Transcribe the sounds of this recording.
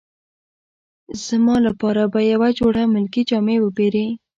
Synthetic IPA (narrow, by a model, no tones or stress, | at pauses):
z̥mɑlapɑɾabajawad͡ʒoɽamʊlkid͡ʒɑmewəbeɾe